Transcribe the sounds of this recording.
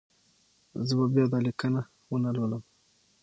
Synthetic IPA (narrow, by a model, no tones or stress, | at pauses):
zəbabjɑd̪ɑlikana | wənaloləm